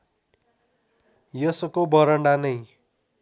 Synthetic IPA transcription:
jʌsʌkobʌɾʌɳɖanʌj

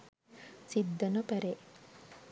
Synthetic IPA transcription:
sid̪ːɐnɐpɐɾe

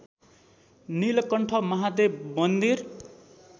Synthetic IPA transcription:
nilʌkʌɳʈʰʌmʌɦad̪emʌnd̪ir

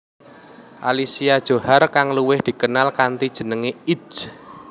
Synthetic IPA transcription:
ʔa̰lisiad̥ʒ̥o̤harkaŋluwɪhd̪̥i̤kənalkant̪id̥ʒ̥ə̤nəŋei̥t͡ʃ

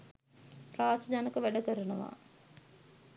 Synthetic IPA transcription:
raːsdaːnəkəʋæɖəkəɾənəʋa̰ː

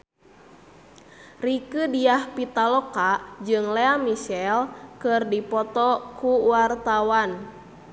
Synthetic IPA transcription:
rikɨdiahpit̪alɔkad͡ʒɨŋleamisɛlkɨrdipɔt̪ɔkuwart̪awan

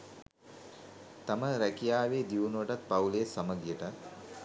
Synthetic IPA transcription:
t̪aməɾækijaːʋeːd̪iunuʋəʈat̪̚pawleːsaməɡjəʈat̪

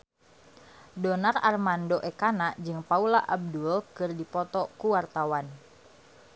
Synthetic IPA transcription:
dɔnararmandoʔɛkanad͡ʒɨŋpaulaʔab̚dulkɨrdipɔt̪ɔkuwart̪awan

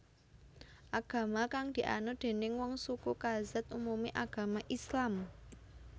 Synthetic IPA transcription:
ʔaɡ̥ä̤makaŋd̪̥i̤ʔa̰nod̪̥e̤nɪŋwɔŋsukukazat̪̚ʔumumiʔaɡ̥a̤maʔislam

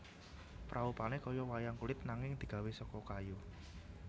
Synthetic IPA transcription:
pɾʔaupanekɔjɔwajaŋkulɪt̪̚naŋɪŋd̪̥i̤ɡ̥ä̤wesɔkɔkaju

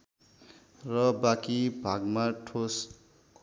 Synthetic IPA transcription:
rʌbakibʱaɡmaʈʰos

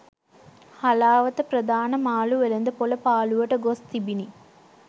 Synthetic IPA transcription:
hɐlaːʋɐt̪ɐpɾɐd̪ʱaːnɐmaːluʋelɐnd̪ɐpolɐpaːluʋɐʈɐɡost̪ibini

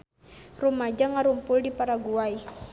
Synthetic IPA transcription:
rumad͡ʒaŋaɾumpʊldipaɾaɡuaj

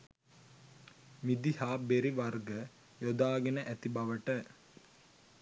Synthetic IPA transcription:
mid̪ihaːbeɾiʋɐrɡə | jod̪aːɡenəʔæt̪ibɐʋəʈə

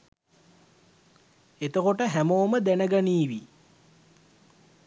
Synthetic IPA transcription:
et̪əkoʈəɦæmoːməd̪ænəɡaniːʋi

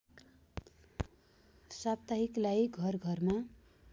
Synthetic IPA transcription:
sab̚t̪aɦiklajɡʱʌrɡʱʌrma

